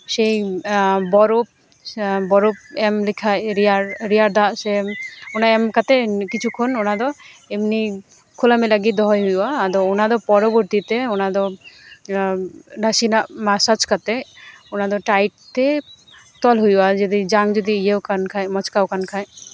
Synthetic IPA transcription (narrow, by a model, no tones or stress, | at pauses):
ʃej | bɔɾop | bɔɾop̚ɛmlikʰajɾiaɾɾiaɾd̪aseonaɛmkat̪ekit͡ʃʰukʰɔnonad̪ɔemni | kʰolamelaɡid̪ɔɦɔjɦujaːd̪ɔunad̪ɔpɔɾɔboɾt̪it̪eonad̪ɔ | ɾasinamasat͡ʃkat̪ɛonad̪ɔʈajʈ̚t̪e | t̪ɔlɦujad͡ʒed̪id͡ʒaŋd͡ʒod̪iijewkʰankʰajmɔt͡ʃkawkʰankʰaj